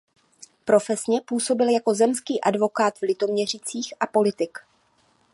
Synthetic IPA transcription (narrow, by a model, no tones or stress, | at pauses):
pɾo̞fɛsɲɛpuːso̞bɪljako̞zɛmskiːʔadvo̞kaːt̪vlɪt̪o̞mɲɛr̝ɪt͡siːxʔapo̞lɪt̪ɪk